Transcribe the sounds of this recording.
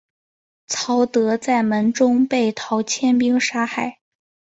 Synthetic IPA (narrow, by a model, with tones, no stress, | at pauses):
t͡sʰɑ˧˥ʊt̪ɤ˧˥t͡sa˥˩ɪmə˧˥nʈ͡ʂʊ˥ŋpe˥˩ɪt̪ʰɑ˧˥ʊt͡ɕʰjɛ˥np̬i˥ŋʂa˥xa˥˩ɪ